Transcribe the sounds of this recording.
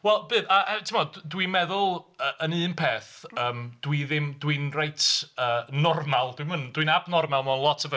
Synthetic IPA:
wɛlˠbɨːðaɛtʰɪmɔdwinmɛðʊlˠəʔənɨːnpʰeːθəːmd̥wiðɪmdwinrejtʰəːnɔrmalˠd̥wimənd̥winabnɔrmalˠmɔnlˠɔtʰəvə

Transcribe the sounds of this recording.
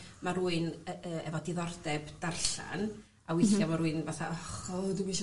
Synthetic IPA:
maɾuːɨnəːɛvɔdiðɔrdɛbdarɬa̰n | awɪθjamaɾuːɨnvaθaɔχɔdumiʃ

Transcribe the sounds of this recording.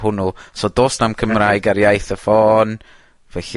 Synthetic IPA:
ɦʊnʊsodoːsnamkʰəmraːjɡaɾjajθəfɔːn | vɛɬ

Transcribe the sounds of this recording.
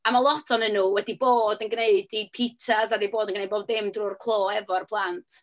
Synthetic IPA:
amalˠɔtʰɔnənuwɛdiboːdənɡneɨdi̥pʰitʰasadejboːdənɡnejd̚boːbdɪmdrʊːrkʰlˠoːhɛvɔrəpʰlˠantʰ

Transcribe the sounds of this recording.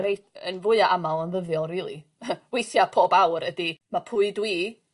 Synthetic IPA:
ɾej | ə̰nvʊɨaʔamalˠənðəðjɔlˠriːlˠḭ | wejθjapʰoːbawɾədimapʰʊɨdwiː

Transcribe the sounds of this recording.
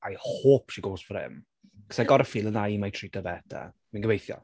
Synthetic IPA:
ajhoːpʰʃiɡoːsfɾɪ̰m | ksaɡɔɾəfiːlˠənajmajtʰridəvɛd̥a̰ | minɡəvejθjɔ̰

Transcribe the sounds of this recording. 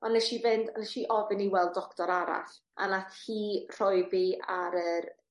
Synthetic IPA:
ɔnːɛʃivɪndanɛʃiʔɔvɪniwɛlˠddɔktɔɾaɾa̰ɬ | a̰natʰhiːr̥ɔjviaɾər

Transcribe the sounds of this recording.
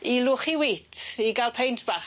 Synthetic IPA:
ilʊːχiwiːtʰiɡalˠpʰejntʰb̥a

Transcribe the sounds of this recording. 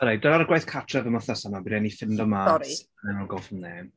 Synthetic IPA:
əɾejdənaɾəɡwajθkʰatʰrɛvəməθəsamabiɾɛnifɪndɔmaɔi | nɛnɔnɡɔlˠfɔmneːm

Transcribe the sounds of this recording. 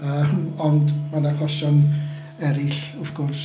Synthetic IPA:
əːmɔndmanakʰɔsɔn | ɛɾɪɬʊfɡ̥ʊrs

